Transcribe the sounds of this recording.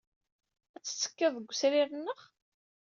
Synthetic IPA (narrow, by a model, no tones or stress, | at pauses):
æt͡sːə̥t͡sːə̥kːəðˤəɡʷsɾiɾənːəχ